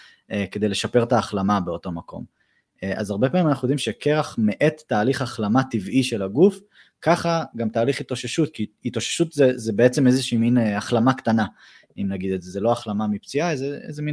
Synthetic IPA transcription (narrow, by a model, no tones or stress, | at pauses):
eked̪e̞jle̞ʃape̞ʁt̪aːχlamabe̞o̞to̞mako̞̰m | ʔa̰zaʁbe̞paːmimanaχnujd̪imʃe̞kʰe̞ʁaχme̞ʔet̪ːaːliχaχlamat̪iviʃe̞laɡuf | kaχaɡamtaːliχit̪oʃeʃut̪kiːt̪oʃe̥ʃut̪zezebeet͡semezeʃiːminaχlamakt̪ana | imnaɡid̪etzezeloaχlamamipt͡siaezeezemin